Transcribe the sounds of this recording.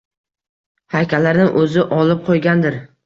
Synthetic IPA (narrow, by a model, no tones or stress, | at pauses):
hajkʲʰalaɾnɪŋʔɵzɪʔɒlˠɪp̚qʰojɡʲand̪ɪɾ